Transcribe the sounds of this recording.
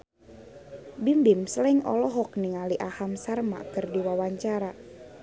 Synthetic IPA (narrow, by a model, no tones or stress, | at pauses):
bimbɪmsəlɪŋɔ̰lɔɦɔk̚niŋaliʔahamsarma̰kərdiwawaɲt͡ʃaɾa